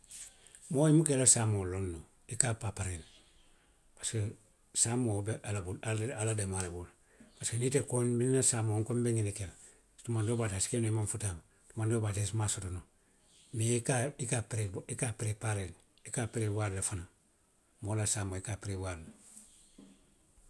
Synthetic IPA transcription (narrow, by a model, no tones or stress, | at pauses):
moːimukelasaːmolonːo | ikapapaɾel | pḁske | samobeʔalabuaalademalebul | paskenitekonbinnasaːmoŋkombeŋɡinekela | stumandobataskenoimanfutaːm | tumandobatesmasotono | mikaikapɾeikapɾepaɾel | ikapeɾebaɾlafana | molasaːmoikapɾewall